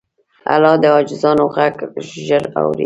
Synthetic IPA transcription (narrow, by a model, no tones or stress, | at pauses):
a̰lɑd̪əɑd͡ʒɪzɑnoɣaɡʒəɾa̰wɾḭ